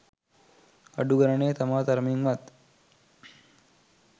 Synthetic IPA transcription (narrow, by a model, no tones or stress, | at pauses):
ɐɖuɡɐɾəɳeːt̪amaːt̪ɐɾmiŋʋat̪